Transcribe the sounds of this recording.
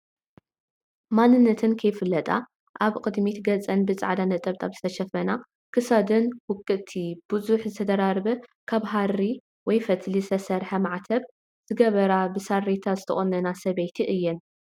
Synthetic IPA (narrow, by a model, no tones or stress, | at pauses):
manːɨnːɐt̪ʰɨnkʰɐjfɨlːɐt̪ʼa̰ | ʔaβkʼɨd̪mit̪ɡɐt͡sʼːɐnbɨt͡sʼa̰ʕd̪anɐt̪ʼɐβt̪ʼaβzɨt̪ʰɐʃɐfɐna | kʰɨsad̪ɨnwʊkʼːɨt̪ʰib̥ɨzuħzɨt̪ʰɐd̪ɐɾaɾbɐkʰaβɦari | wɔjfɐt̪ʰlisɐsɐɾħɐmaʕt̪ʰɐβ | z̥ɨɡɐβɐɾabɨsarːet̪ʰazɨt̪ʰɐχʼonːɐnasɐβejt̪ʰiʔɨjːɛn